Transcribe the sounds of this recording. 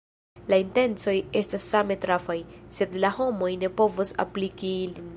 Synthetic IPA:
lainte̞nt͡so̞je̞stasːame̞tɾafajse̞dlaho̞mo̞jne̞po̞vosa̰plikilin

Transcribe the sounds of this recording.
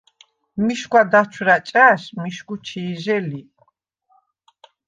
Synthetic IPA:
miʃkwad̪at͡ʃʰɾat͡ʃʼaʃmiʃɡut͡ʃʰiːʒɛli

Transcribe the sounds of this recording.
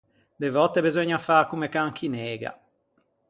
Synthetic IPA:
d̪evɔt̪ːebezɔɲːafakumekaŋkʰinɛːɡa̰

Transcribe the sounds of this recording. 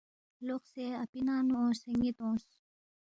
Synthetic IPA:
loqseapinaːnuõseŋɡit̪õːs

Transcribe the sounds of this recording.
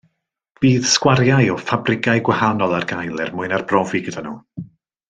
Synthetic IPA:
b̥iːð̥skwaɾjajɔfabrɪɡaɨɡwahanɔlˠarɡajlˠɪrmʊɨnarbrɔviɡədanṵː

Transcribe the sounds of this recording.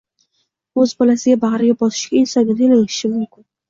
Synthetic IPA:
ɵzbɒlasɪɡʲabɑʁɾɪɡʲabɒsɪ̥ʃɡʲaɪnsɒnɡʲad̪elɪŋɪʃɪmʊmkʲʰɪn

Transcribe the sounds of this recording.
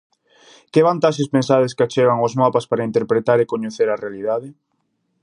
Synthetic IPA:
keβant̪aʃespensaðeskat͡ʃeɣaŋozmapaspaɾaint̪eɾpɾet̪aɾekoɲeθeɾarealiðaðe

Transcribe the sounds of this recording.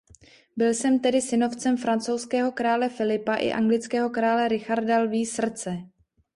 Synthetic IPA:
bɪlsɛmt̪ɛdɪsɪno̞ft͡sɛmfɾant͡sowskɛːɦo̞kɾaːlɛfɪlɪpaʔɪ̰ʔa̰ŋɡlɪt͡skɛːɦo̞kɾaːlɛɾɪxaɾdalviːsr̩t͡sɛ

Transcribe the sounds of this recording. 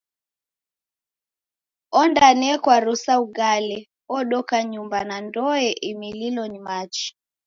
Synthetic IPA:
ɔndanɛkwaɾusauɡalɛ | ɔɗɔkaɲumbanandɔɛʔimililɔnimat͡ʃi̥

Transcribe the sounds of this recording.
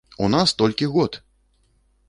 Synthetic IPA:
unast̪ɔlʲkʲiɣɔt̪

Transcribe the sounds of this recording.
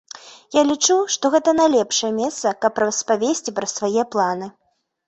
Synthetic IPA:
jalʲit͡ʂuʂt̪ɔɣɛt̪ɐnajlʲɛpʂɐjɛmʲɛst̪sɐkɐpːɾɐrɐspavʲesʲt͡sʲipɾɐsvajɛplˠanɨ

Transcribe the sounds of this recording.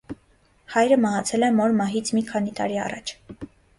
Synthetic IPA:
hɑjɾəmɑɦɑt͡sʰɛlɛmɔɾmɑɦit͡sʰmikʰɑn̪it̪ɑ̰ɾiɑ̰rɑ̰t͡ʃʰ

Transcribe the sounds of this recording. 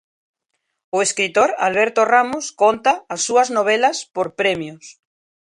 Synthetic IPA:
oeskɾit̪oɾa̰lβ̞eɾt̪oramoskont̪aːsːuɐznoβ̞elɐspoɾpɾɛmjos

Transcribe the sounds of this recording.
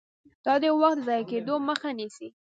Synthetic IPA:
d̪̥ɑd̪əwaxt̪əzɑjaked̪oməxanisi

